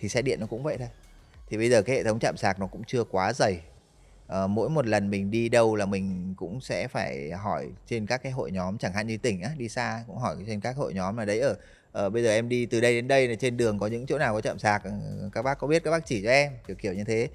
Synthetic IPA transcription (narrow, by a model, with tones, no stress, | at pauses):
t̪ʰi˨˩sɛ̰˧˥ɗḭ˧˨ənːɔ˨˦kʊ̰˧˥ŋ͡mvə̰˧˨jt̪ʰo˧j | t̪ʰi˨˩ɓə˧jzəː˨˩kaː˦hḛ˧˨˩ə˨˦wŋ͡mt͡ɕa̰ː˧˨msaː˨˩k̚nɔ˨˦kʊ̰˧˥ŋ͡mt͡ɕɨ˧əkwaː˨˦zə˨˩j | ʔəː˨˩mo̰˧˥jmo˨˩t̬̚lə˨˩nmï˨˩ŋ̟ɗi˧ɗə˧wlaː˨˩mï˨˩ŋ̟kʊ̰˧˥ŋ͡msɛ̰˧˥faː˧˩jɦɔ˧˩jt͡ɕe˧nkaː˦˥kːaː˨˦jɦo̰˧˨jɲɔ˨˦mt͡ɕaː˧˩ŋɦa̰ː˧˨nɲi˧t̪ï˧˩ŋ̟ʔaː˨˦ɗi˧saː˧kʊ̰˧˥ŋ͡mɦɔ˧˩jt͡ɕe˧nkaː˦˥k̚ho̰˧˨jɲɔ˨˦mlaː˨˩ɗə˨˦jʔəː˧˩ | ʔəː˨˩ɓə˧jzəː˨˩ʔɛ˧mɗi˧t̪ɨ˨˩ɗə˧jɗe˨˦nɗə˧jt͡ɕe˧nɗɨ˨˩əŋkɔ˨˦ɲɨ̰˧˥ŋt͡ɕo̰˧˥naː˨˩wkɔ˨˦t͡ɕa̰ː˧˨msaː˨˩k̚kaː˦˥k̚ɓaː˦˥kːɔ˨˦i˦˥t̚kaː˦˥ɓaː˦˥t͡ɕi˧˩t͡ɕɔ˧ʔɛ˧mɨ˨˩k̚ʰːi˧˩əwɲɨ˧t̪ʰe˨˦